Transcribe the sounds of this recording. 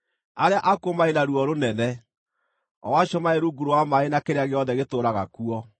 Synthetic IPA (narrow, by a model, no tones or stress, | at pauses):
aɾeaʔakomaenaɾuɔɾonɛnɛ | ɔ̰waɕɔmaeɾuɡuɾowamaenakeɾeaɣeɔðɛɣetoːɾaɣa̰kuɔ